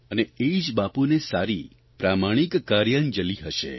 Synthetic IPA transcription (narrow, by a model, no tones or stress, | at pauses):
əneeid͡ʒbapunesaɾi | pɾamaɽ̃ikːaɾjənd͡ʒəliɦəʃḛ